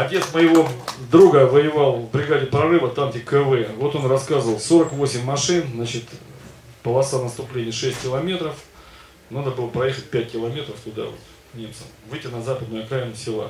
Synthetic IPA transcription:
ɐtʲe̞t̪sməjɪvo̞d̪ɾuɡəvəjɪvɑlˠbɾʲɪɡadʲɪpɾɐrɨvət̪amtʲɪkəvɛvo̞t̪o̞nrɐskazəvəlˠso̞ɾəkvo̞sʲɪmʲːɐʂɨnznat͡ɕɪt̪ | pəlˠɐsanəst̪ʊplʲenʲɪjʂɛsʲtʲkʲɪlˠɐmʲe̞t̪ɾəf | nad̪əbɨlˠəpɾɐje̞xət̚ʲpʲæt̚ʲkʲɪlˠɐmʲet̪ɾəft̪ʊd̪a̰vo̰t̪ | nʲe̞mt̪səmvɨjtʲɪnɐzapəd̪nʊjɐkɾajnʊsʲɪlˠa̰

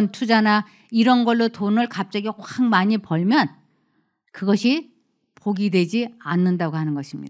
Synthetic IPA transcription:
ntʰud͡ʑana | iɾʌnɡʌɭːotonɯɭkap̚t͡ɕ͈aɡikwaŋmaɲipʌɭmjʌn | kɯɡʌɕʰi | poɡidwe̞d͡ʑianːɯndaɡohanɯnɡʌɕʰimɲḭda

